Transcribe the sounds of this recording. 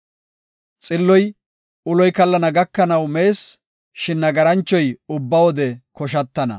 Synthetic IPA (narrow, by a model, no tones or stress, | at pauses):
t͡sʼɪlːɔj | ʊlɔjkɐlːɐnɐɡɐkːɐnɐwme̞ːs | ʃɪnːɐɡɐɾɐnt͡ʃːɔjʊbːɐwɔd̪ɛkɔʃɐt̪ːɐnɐ̰